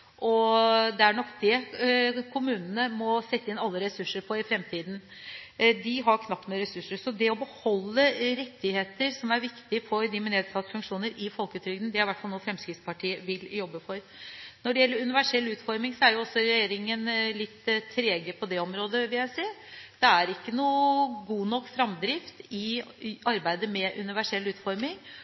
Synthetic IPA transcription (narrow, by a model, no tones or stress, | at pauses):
ʔɔd̪ɛæɳɔkːd̪ɛ | kʰʊmʉːnnəmɔsɛt̪ːəɪnɑlːəɾɛsʉʂəɾpʰɔɪfɾɛmt̪ʰiːd̪n | d̪ɪɦɑɾkʰnɑp̪ːmeːɾɛsʉʂəɾsɔd̪ɛɔbəhɔlːəɾɛt̪ːɪheːt̪əɾsɔmæɾʋɪkt̪ɪfɔɾd̪ɪmɛneːd̪sɑt̪ːəfʉŋkʂuːnəɾɪfɔlkəʉt̪ʰɾʏɡd̪n̩d̪ɛæɾɪʋæʈfɑlnuːfɾɛmskɾɪt̪spɑʈʰiːəʋɪljɔbːəfɔɾ | nɔɖɛjɛlːəɾʉnɪʋæʂɛlːʉːt̪fɔɾmɪŋsɔæɾjʊɔsːɔɾɛjeːɾɪŋənlɪt̪ʰːɾeːɡəpʰɔd̪ɛɔmɾoːd̪əʋɪljæɪseːd̪̥ɛæɾɪkːənuːɡuːnɔkːfɾɑmd̪ɾɪft̪ɪɑɾbæɪd̪əmɛʔʉnɪʋæʂɛlːʉːt̪fɔɾmɪŋ